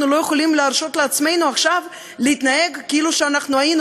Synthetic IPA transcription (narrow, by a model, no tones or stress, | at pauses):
nulo̞jeχo̞limleaɾʃo̞t̪leat̪sme̞jnuaχʃav | leit̪nae̞ɡkeiluʃeanaχnuajin